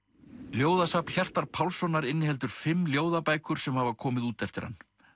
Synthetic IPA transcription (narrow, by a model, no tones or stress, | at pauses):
ljoːwðasapn̥çar̥t̪aɾ̥pʰawlsɔnːaɾɪnːɪhɛlt̪ʏɾ̥fɪmːljoːwðapaːjkʏɾ̥sɛmhavakʰɔːmɪðuːt̪ɛft̪ɪɾha̰nː